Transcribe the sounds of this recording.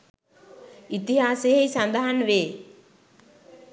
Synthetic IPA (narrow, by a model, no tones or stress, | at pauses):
it̪iɦaːseejsand̪aɦanʋeː